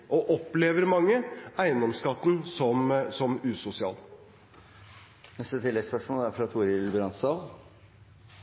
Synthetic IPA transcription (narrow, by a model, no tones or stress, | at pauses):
ʔɔʔɔpːleːʋəɾmɑŋːəæɪənɔmskɑt̪ːn̩sɔmsɔmʉːsʊsɪɑ̰ːl | nɛst̪ət̪ʰɪlːɛɡspœʂmoːlæɾfɾɑt̪ʰuːɾɪlbɾɑnsɑːl